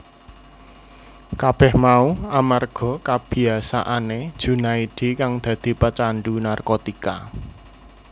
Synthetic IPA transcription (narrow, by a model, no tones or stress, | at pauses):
kab̥ɛhmauamarɡ̥ɔ̤kab̥i̤asa̰ʔaned̥ʒ̥ṳnaiɖ̥i̤kaŋd̪̥ä̤d̪̥i̤pət͡ʃaɳɖunarkot̪ika